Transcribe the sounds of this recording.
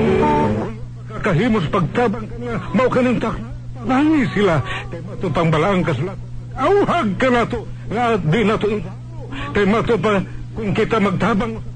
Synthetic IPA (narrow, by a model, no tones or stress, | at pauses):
kʊnmakakaɦimʊs̬paɡ̚t̪abaŋkanlamaʔokanɪŋt̪akna | palaŋɪsilakajmat̪ʊpaŋbalaʔaŋkasʊlat̪anaɡauhaɡ̚kanaːt̪o | ŋaad̪ɪnat̪oɪŋɦakokajmat̪ʊpa | kʊnkɪt̪amaɡ̚t̪abaŋ